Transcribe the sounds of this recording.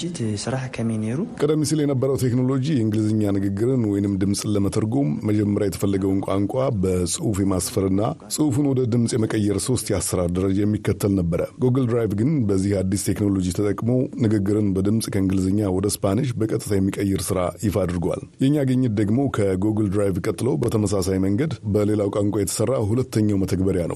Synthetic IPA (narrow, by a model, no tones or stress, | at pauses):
t̪sɨɾahkʰəmineɾukʼəd̪əmːisiljɛnəbːəɾəwt̪ʰe̞kno̞lo̞d͡ʒijɛɨŋɡɨlzɨɲːanɨɡɨɡːɨɾɨnwɔjnɨmd̪ɨmsʼɨləmət̪ʰəɾɡo̞mːəd͡ʒɛmːəɾjajɛt̪ʰə̥fəlːəɡəwɨnkʷʼaŋkʷʼabəsʼɨufjɛmasfəɾɨnːasʼɨufɨnwɔd̪əd̪ɨmsʼjɛməkʼəjːɛɾso̞st̪jasːəɾaɾd̪əɾəd͡ʒajɛmːikːət̪ʰːəlnəbːəɾə̰ɡoɡəld̪ɾajvɡɨnbəzːihad̪ːist̪ʰe̞kno̞lo̞d͡ʒit̪ʰət̪ʼəkʼmo̞nɨɡɨɡːɨɾɨnbəd̪ɨmsʼkʰəɨŋɡɨlzəɲːawɔd̪əspanɨʃbəkʼət̪ʼɨt̪ʰajɛmːikʼəjːɛɾsɨɾajɪfad̪ɾɡwa̰ljɛɲːaɡəɲːɨt̪̚d̪əɡmo̞kʰəɡoɡəld̪ɾajvkʼət̪ʼːɨlo̞bət̪ʰəməsasajməŋɡəd̪bəle̞lawkʷʼaŋkʷʼajɛt̪ʰə̥sərːaɦulət̪ːəɲːawmət̪ʰəɡbəɾjanə̰w